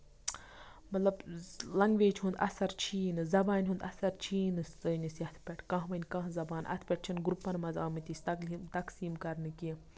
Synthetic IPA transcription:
mɐt̪lɐblɐŋɡʋeːt͡ʃhũnd̪ɐ̰sɐɾt͡ʃʰiːnɨzɐbaːnʲɦund̪ɐ̰sɐɾt͡ʃʰiːnɨsɨnʲisiɐt̪ʰpʲeʈʰkɐ̃ɦʋɐnʲkɐ̃ɦzɐbaːnʔɐ̰t̪ʰpʲeʈ̚t͡ʃʰinɡɾupːɐnmɐzaːmɨt̪ʲisʲt̪ɐkːt̪ɐksiːmkɐɾnɨki

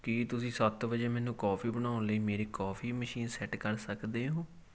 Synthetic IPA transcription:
kit̪ʊsĩːsət̪ʋəd͡ʒeːmɛ̃ːnũːkɔːpʰiːbəɽ̃aːʊ̃nləiːmeːɾeːkɔːpʰiːməʃiːnsɛʈkəɾsəkd̪eːɦõː

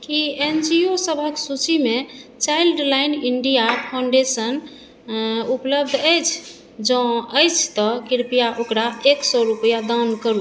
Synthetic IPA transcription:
kiend͡ʒiosəbʱəksut͡ʃimet͡ʃailɖlajniɳɖijapʰawɳɖesən | upləb̚d̪ʱəjt͡ʃʰ | d͡ʒɔ̃əjt͡ʃʰt̪ɔkiɾpijaʔokɾaeksɔɾupəjad̪ankəɾu

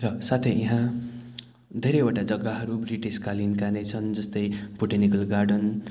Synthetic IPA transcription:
rʌsat̪ʰeiɦã | d̪ʱeɾʌjoʈad͡zʌɡːaɦʌɾubriʈiskalinkanet͡sʰʌnd͡zʌst̪ʌjbuʈenikʌlɡarɖʌn

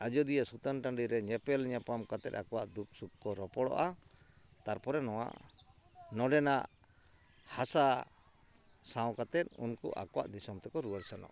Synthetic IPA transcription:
ad͡ʒɔd̪ijasut̪anʈaɳɖiɾɛɲɛpɛlɲapamkat̪ɛt̪̚akɔwaʔd̪uk̚suk̚kɔɾɔpɔɽɔ̰ʔa | t̪aɾpɔɾɛnɔwa̰ʔ | nɔɖɛnaʔ | hasa | sãw̃kat̪ɛt̪̚ˀṵnkṵʔa̰kɔwa̰ʔd̪isɔmt̪ɛkɔɾuwaɾsanɔ̰ʔ

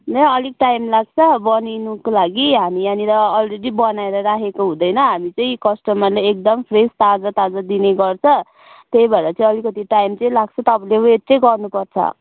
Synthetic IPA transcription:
nʌʌliɡ̚ʈajmlaɡt͡sʰʌbʌninukolaɡiɦamianiɾʌːlredibʌnaeɾʌɾaɦekoɦũd̪ʌjnʌɦamit͡sʌĩkʌsʈʌmʌrleek̚d̪ʌmpʰrest̪ad͡zʌt̪ad͡zad̪ineɡʌrt͡sʰʌ | t̪ejbʌeɾʌt͡sʌĩʌlikʌt̪iʈajmt͡sʌĩlaɡt͡sʰʌt̪ʌpaleeʈt͡sʌjɡʌrnupʌrt͡sʰʌ̰

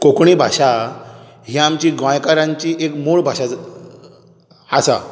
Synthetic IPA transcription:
kokɳibʱaɕa | ɦiamt͡ɕiɡʋãjkaɾãɲt͡ɕiːʔekmoɭbʱaɕa | asa̰

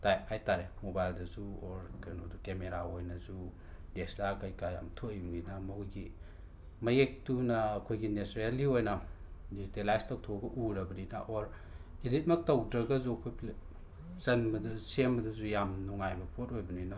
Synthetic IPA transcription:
tajp̚ajtaɾemobajldɐzuoɾkɐnodukemeɾaojnɐzu | deslakɐjkaja̰mtʰojumɡinɐmojɡi | mɐjek̚tunɐːkʰojɡinesɾialiojnɐ | dizitelajstɐwtʰoɡɐʔuɾɐbɐnina̰ʔoɾ | idit̚mɐk̚tɐwdɾɐɡɐzuɐkʰojpʰl | zɐnbɐdɐsembɐdɐzujamnuŋajbɐpʰotojbɐnina

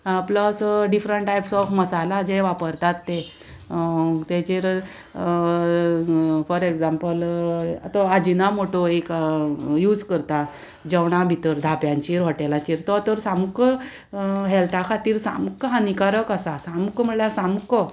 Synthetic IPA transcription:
pləsɖifɾəɳʈajpsɔfməsalad͡ʑeʋapəɾt̪at̪ːe | t̪ɛt͡ɕeɾ | fɔɾekd͡zampəla̰t̪ɔad͡ʑinamoʈoekjuːd͡zkəɾt̪a | d͡ʑəʋɽ̃abʱit̪əɾd̪ʱapjãɲt͡ɕiɾʋɔʈelat͡ɕiɾt̪ɔt̪əɾsamkə | ɦɛlt̪ʰakʰat̪iːɾsamkəɦanikaɾəkasasamkəm̤əɭljaɾsamkɔ

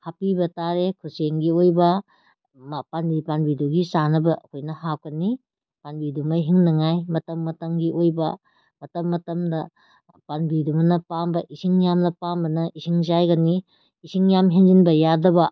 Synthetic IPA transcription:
hapibɐtaɾekʰuseŋɡiojbɐ | mpanbipanbiduɡisanɐbɐʔɐkʰojnɐɦap̚kɐni | panbidumɐɦiŋnɐŋajmɐtɐmːɐtɐŋɡiʔojbɐ | mɐtɐmːɐtɐmdɐ | panbidumɐnɐpambɐʔisiŋjamnɐpambɐnɐʔisʰiŋzajɡɐniː | siŋjamɦenzinbɐjadɐbɐ

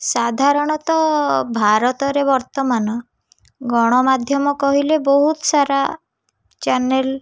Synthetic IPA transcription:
sad̪ʱaɾɔɽ̃ɔt̪ɔbʱaɾɔt̪ɔɾebɔɾt̪ɔmanɔ | ɡɔɽ̃ɔmad̪ʱjɔmɔkɔɦilebɔɦut̪ɔsaɾa | t͡ʃanel

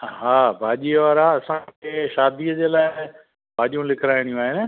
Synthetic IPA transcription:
ɦaːbʱaːʄiːʋaːɾaɐsãkʰeːʃaːd̪iːəd͡ʑeːlaːɪ | bʱaːʄijũlɪkʰɾaːɪɽ̃ijũaːɦɪnɪ̆

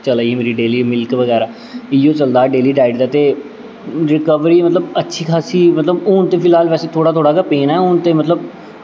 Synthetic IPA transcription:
t͡ʃəlaːimeːɾiːɖeːliːmɪlkʋəɡɛːɾaː | ɪjõːt͡ʃəld̪aːɖeːliːɖaːɪɖd̪aːt̪eː | ɾɪkəʋɾiːmət̪ləbətːʃʰiːkʰaːsiːmət̪ləbʊːnt̪eːpʰɪlɦaːlʋɛːseːt̪ʰoːɽaːt̪ʰoːɽaːkəpeːnɛːʊːnt̪eːmət̪ləb

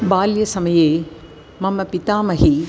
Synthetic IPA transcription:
baːljɐsɐmɐjeː | mɐmːɐpit̪aːmɐɦi

